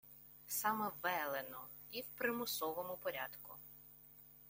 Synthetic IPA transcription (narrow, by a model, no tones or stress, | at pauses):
sɑmɛʋɛlˠenɔ | iwpɾɪmʊsɔʋɔmʊpɔɾʲad̪kʊ̰